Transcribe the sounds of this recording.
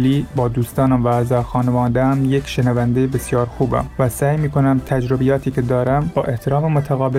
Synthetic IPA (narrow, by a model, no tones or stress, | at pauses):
liːbɒːd̪uːst̪ɒːnæmvææzɒːxɒːnevɒːnd̪ææmjekʃenævænd̪ejebesjɒːɾxuːbæ̰mvæsæːjmiːkʰonæmt̪ʰæd͡ʒɾobijɒːt̪ʰiːkʲʰed̪ɒːɾæmbɒːʔe̞ht̪ʰeɾɒːmemot̪ʰæɣɒːbe